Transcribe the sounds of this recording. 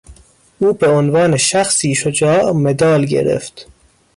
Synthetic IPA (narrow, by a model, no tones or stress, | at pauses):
ʔuːbeonvɒːneʃæxsiːʃod͡ʒɒːʔmed̪ɒːlɟḛɾḛft̪